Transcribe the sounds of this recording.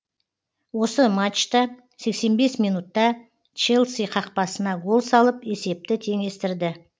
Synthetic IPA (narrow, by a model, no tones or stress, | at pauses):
wo̞səmat͡ʃt̪ɑ | se̞kse̞nbe̞smijnut̪ːɑ | t͡ʃelˠsiqʰɑq̚pɑsənɑɡo̞lˠsɑlˠəpe̞se̞p̚t̪ɪt̪ʰe̞ŋe̞st̪ɪɾd̪ɪ